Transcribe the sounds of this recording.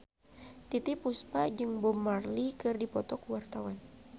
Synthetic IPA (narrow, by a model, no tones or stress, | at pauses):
t̪it̪ipuspad͡ʒɨŋbɔmːarlikɨrdipɔt̪ɔkuwart̪awan